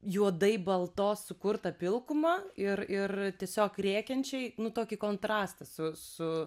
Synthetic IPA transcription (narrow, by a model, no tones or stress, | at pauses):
juɔd̪ɐɪbɐlˠt̪oːssʊkʊrt̪ɐpʲɪlˠkʊmɐːɪrɪrt̪ʲiɛsʲoːkrʲeːkʲɛnʲt͡ʃʲɛɪnʊt̪oːkʲikoːnt̪ɾɑːst̪ɐsʊsʊ